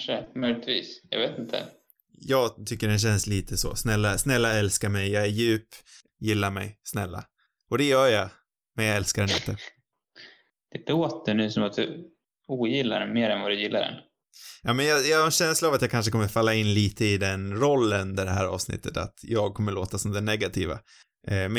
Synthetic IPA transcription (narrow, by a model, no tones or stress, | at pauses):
ʂəmœjlɪt̪vḭːsjɑ̰veːt̪ɪnt̪ʰə̰ | jɑːɡt̪ʰʏkːəɖɛnɕ̬ɛnsliːt̪ʰəsɔ̰snɛlːasnɛlːaɛlskaɾmɛjjɑːæɾjʉ̟ːp | jɪlːaɾmɛ̰jsnɛ̰lːa̰ | ʔɔd̪ɛjœːja | mɛnjɑɛlskaɾɛnɪ̰nt̪ʰːə | d̪̥ɛloːt̪̚d̪ɛnʉ̟ːsɔmat̪̚d̪̥ɵ | uːjɪlːa̰meːɾɛnvad̪ɵjɪlːa̰dɛ̰n | jɑːmɛnjɑjɑaɾɛnɕɛnslaːvat̪jɑːkʰanʂ̬əkʰɔmːəɾfalːaɪnːliːt̪ʰəɪd̪ɛnɾɔlːəɵnd̪əɖɛɦæ̰ːɾɑ̰ːvsnɪ̰t̪ːət̪a̰t̪jɑːɡ̚kʰɔmːəɭoːt̪asɔmd̪ɛnɛɡat̪ʰḭːva̰ | m